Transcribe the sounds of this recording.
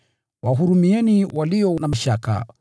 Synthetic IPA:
waɦuɾumiɛniwaliɔnamaʃaka̰

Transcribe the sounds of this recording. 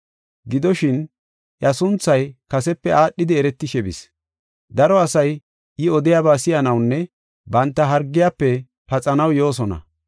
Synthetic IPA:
ɡɪd̪ɔʃɪn | jɐsʊnt͡sːɐjkɐsɛpːɛʔaːɗːɪd̪ɪɛɾɛt̪ːɪʃɛbɪs | d̪ɐɾɔɐsɐj | ʔɪɔd̪ɪjaːbaːsɪjɐnɐwnːɛ | bɐnt̪ːɐɦɐɾɡːɪjaːpːɛ | pɐt͡sʼɐnɐwjo̞ːs̬ɔnɐ̰

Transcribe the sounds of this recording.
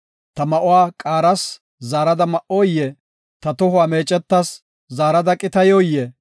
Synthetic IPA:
t̪ɐmɐʔʊwaːkʼaːɾɐs | zaːɾɐd̪ɐmɐʔoːjːɛ | t̪ɐt̪ɔɦʊwaːmeːt͡ʃʼːɛt̪ːɐs | zaːɾɐd̪ɐkʼɪt̪ɐjoːjːɛ

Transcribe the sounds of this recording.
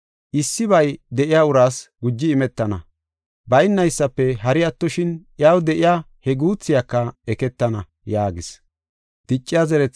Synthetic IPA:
ʔɪsːɪβɐjd̪ɛʔɪjaʊɾaːsɡʊd͡ʒːɪːmɛt̪ːɐnɐ | bɐjɪnːɐjsːɐpːɛɦɐɾɪɐt̪ːɔʃɪnʔjaːwd̪ɛʔɪjaː | hɛɡuːt͡sːɪjakːɐɛkɛt̪ːɐnɐ | jaːɡɪs | d̪̥ɪt͡ʃʼːɪjɐzɛɾɛt͡sː

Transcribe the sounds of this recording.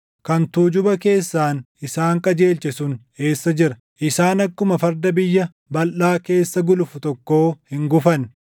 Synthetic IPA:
kɐnt̪uːd͡ʒʊbɐke̞ːsːaːn | ɪsaːŋkʼɐd͡ʒe̞ːlt͡ʃɛsʊn | e̞ːsːɐd͡ʒɪɾɐ | ʔɪsaːnɐkːʊmɐfɐɾd̪ɐbɪjːɐ | bɐlʔaːke̞ːsːɐɡʊlʊfʊt̪ɔkːo̞ːhɪŋɡʊfɐn

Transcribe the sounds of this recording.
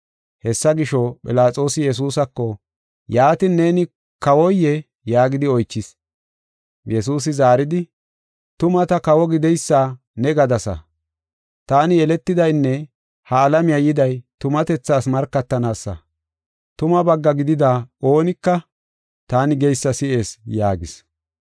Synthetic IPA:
hɛsːɐɡɪʃɔpʼɪ̰laːt͡sʼo̞ːsɪjɛs̬uːsɐkːɔ | jaːt̪ɪnːe̞ːnɪ | kɐwɔjːɛ | jaːɡɪd̪ɪɔjt͡ʃːɪs | jɛsuːs̬ɪzaːɾɪd̪ɪ | t̪ʊmɐt̪ɐkɐwɔɡɪd̪ɛjsːaː | nɛɡɐd̪ɐsɐ̰ | t̪aːnɪɛlɛt̪ːɪd̪ɐjnːɛ | hɐːlɐmɪjɐjɪd̪ɐjt̪ʊmɐt̪ɛt͡sːaːsmɐɾkːɐt̪ːɐnaːsːɐ̰ | t̪ʊmɐbɐɡːɐɡɪd̪ɪd̪ao̞ːnɪkːɐ | t̪aːnɪɡɛjsːɐsɪʔe̞ːsjaːɡɪs

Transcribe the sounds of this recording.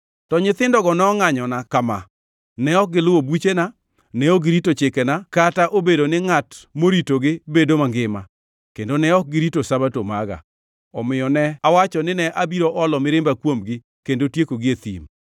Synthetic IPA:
tɔɲɪt̪ɪndɔɡɔnɛɔŋaɲɔnakama̰ | nɛɔk̚ɡɪlʊwobit͡ʃena | nɛoɡɪɾitot͡ʃɪkɛnakataʔobedonɪŋatmoɾitoɡɪbedomaŋɡɪma̰ | kendonɛɔk̚ɡɪɾitosabatoma̰ɡa̰ | ɔmɪjɔnɛawat͡ʃɔnɪnɛʔabiɾoʔɔlɔmɪɾɪmbakwomɡɪ | kendotjekoɡɪet̪ḭm

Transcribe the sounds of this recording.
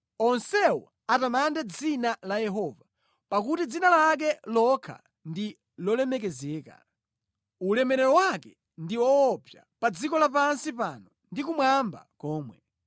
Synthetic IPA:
ɔnsɛwɔ | atamandɛd͡zinalajɛɦɔːva | pak̬utid͡zinalak̬ɛlɔkʰa̰ | ndi | lɔlɛmɛk̬ɛzɛːka̰ | ulɛmɛɾɛɾɔwakɛ | ndiwɔːpjapad͡zikɔlap̬ansipanɔ | ndikumwamba̰kɔːmwɛ

